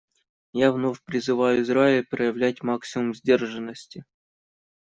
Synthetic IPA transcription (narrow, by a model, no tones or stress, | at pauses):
javnofʲpɾʲɪzɨvajʊɪzɾaɪpɾəjəvlʲætʲmaksʲɪmʊmzʲdʲerʐɨnːəsʲtʲɪ